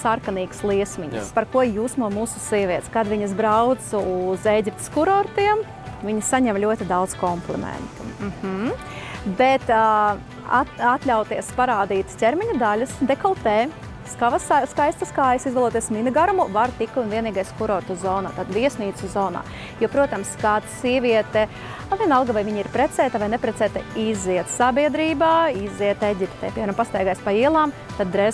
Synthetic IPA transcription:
saɾkaniːkslˠiɛsmʲiɲḭspaɾkuɔjuːsmuɔmuːsu̥siɛvʲiɛt̪skad̪ʋʲiɲɐzbɾawt̪suzeːjɡʲip̚t̪skuɾɔɾt̪iɛm | vʲiɲisaɲɛmlʲuɔt̪id̪awd̪z̥kɔmplˠɛ̰mɛ̰nt̪u̥m̩hm̩ | bet̪ | aat̪lʲawt̪iɛspaɾaːd̪iːt̪st̪ʲeɾmʲiɲɐd̪alʲɐsd̪ekɔlˠt̪ɛː | skaʋasskajst̪ɐskaːjɐsizɡalˠuɔt̪iɛsminɨɡaɾmuvaɾt̪ikunviɛniːɡajskuɾɔɾt̪uzɔːna̰ːt̪ad̪viɛsniːt̪suzɔːna̰ː | jupɾuɔt̪amskat̪siɛvʋʲiɛt̪ɛ | avʲiɛnalˠɡavajviɲiɾpɾɛt̪sɛːt̪avajnɛpɾɛt̪sɛːt̪aizːiɛt̪sabiɛd̪ɾiːbaːizːiɛt̪eɟʲipt̪ɛ̰ːpiɛmiɾampast̪ajɡaːjspaiɛlˠaːm | t̪ad̪̚ːɾɛz

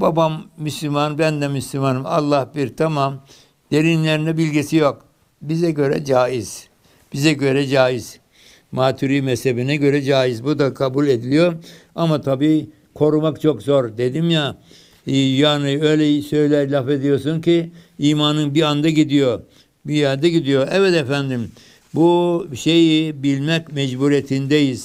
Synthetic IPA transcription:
babamːyslʲymanbænd̪ɛmyslʲymanɯma̰lˠːahbiɾt̪ʰamam | d̪e̞ɾinlʲeɾinɛbilʲɟisijo̞k | bizɛɟø̞ɾɛ̰d͡ʒaːiz̥ | b̥izɛɟø̞ɾɛd͡ʒaːiz̥ | maːt̪ʰuɾiːmɛshebinɛɟø̞ɾɛd͡ʒaːizbud̪akʰabulʲe̞d̪ilʲijo̞ | amat̪ʰabiː | kʰo̞ɾumakt͡ʃʰokzo̞ɾd̪e̞d̪imja | jaːniø̞jlʲɛjisø̞jlʲæɾlʲafe̞d̪ijo̞sunciiːmanɯnbiand̪aɟid̪ijo̞ | bijand̪aɟid̪ijo̞ʔɛvɛt̪efænd̪im | buʃejibilʲmɛcmɛd͡ʒbuɾiet̪ʰind̪ejiz̥

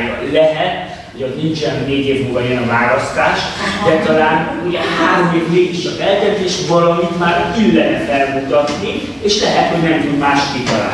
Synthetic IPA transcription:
jɒ̰lɛɦɛt̪ | ho̞cozʲnint͡ʃɛnɦoneːɟeːvmoɡɒiɛnɒvaːɾɒst̪aːʃ | d̪ɛt̪ɒlaːn | uɟɛhaːɾo̞meːvneːkiʃɒzɛlt̪ɛzeːʃvɒlɒmit̪maːɾyːlɛɦɛt̪fɛrmut̪ɒt̪ni | eːʃlɛɦɛt̪ho̞ɟnɛmt̪ud̪maːʃkit̪ɒla̰ː

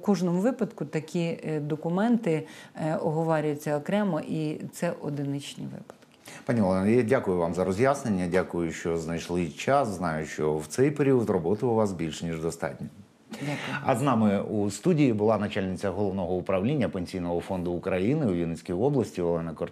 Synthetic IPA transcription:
kɔʒnɔmʊʋɪpɐd̪kʊt̪ɐkʲid̪ɔkʊmɛnt̪ɪɔɦɔʋɑɾʲʊjʊt͡sʲːɐɔkɾɛmɔʔit̪sɛʔɔd̪ɪnɪt͡ʃʲnʲḭʋɪ̰pɐ̥d̪̥kɪ̥pɑnʲiɔlˠɛnɐjadʲakʊjʊʋɑmzɐɾɔzʲjasnenʲːɐdʲakʊjʊʃt͡ʃɔznɐjʃlˠɪt͡ʃɑsznɑjʊʃt͡ʃɔwt̪sɛjpeɾʲiɔt̪rɔbɔt̪ɪʊʋɑsbʲilʲʃnʲiʒd̪ɔst̪ɑ̰tʲnʲɔ | dʲaʊjʊɐznɑmɪust̪udʲijibʊlˠɑnɐt͡ʃalʲnʲɪt͡sʲɐɦɔlˠɔʋnɔɦɔʊpɾɐʋlʲinʲːɐpenʲsʲijnɔɦɔfɔnd̪ʊːkɾɐjinɪujʲinɪsʲkʲijɔblˠɐsʲtʲiʋɔlˠɛnɐkɔ

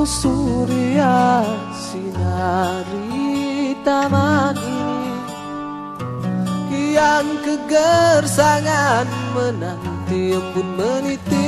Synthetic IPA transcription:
suɾia | sinaɾi | t̪amani | iaŋkəɡərsaŋanmənant̪iəɡun̚mənit̪i

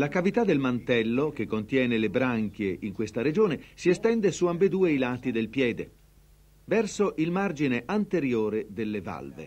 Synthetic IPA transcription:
lakavit̪ad̪elmant̪ɛlːok̟ekːont̪jɛːnelebɾaŋk̟jeʔiŋkwest̪aɾed͡ʒoːnesiest̪ɛnd̪esuambed̪uːeilaːt̪id̪elpjɛːd̪e | vɛrsoʔilmard͡ʒineʔant̪eɾjoːɾed̪elːeva̰lvḛ

